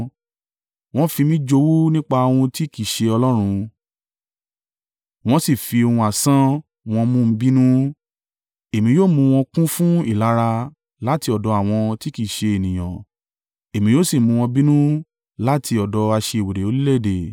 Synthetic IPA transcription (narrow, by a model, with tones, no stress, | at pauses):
w̃ɔ̃˦fi˧mĩ˦d͡ʒo˧wu˦nĩ˦k͡pa˧o˧wũ˧ti˦˨ki˦˨ʃe˧ɔ˧lɔ˦ɾ̃ũ˧ | w̃ɔ̃˦si˦˨fi˧o˧hũ˧a˨sã˦ | w̃ɔ̃˧mũ˦m̩˧bi˦nũ˦ | e˨mĩ˨˦joː˦˨mũ˧w̃ɔ̃˧kũ˦fũ˦i˦˨la˨˦ɾa˧ | la˦ti˧˦ɔ˨dɔ˨˧a˦˨w̃ɔ̃˧ti˦ki˦˨ʃe˧e˨nĩ˨j̃ã̰˨ | e˨mĩ˨˦jo˦si˦˨mũ˧w̃ɔ̃˧bi˦nũ˦ | la˦tʰi˧ɔ˨dɔ˨˧a˧ʃe˧˨we˨ɾe˨o˧li˦le˦˨de˨